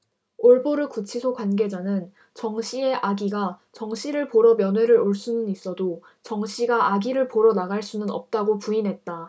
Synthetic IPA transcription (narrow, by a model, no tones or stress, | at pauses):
oɭboɾɯkut͡ɕʰisʰokwanɡe̞d͡ʑanɯn | t͡ɕʌŋɕʰie̞ʔaɡiɡat͡ɕʌŋɕʰiɾɯɭpoɾʌmjʌnwe̞ɾɯɾoɭs͈unɯnis͈ʌdo | t͡ɕʌŋɕʰiɡaʔaɡiɾɯɭpoɾʌnaɡaɭs͈unɯnʌp̚t͈aɡopuinɦe̞t̚t͈a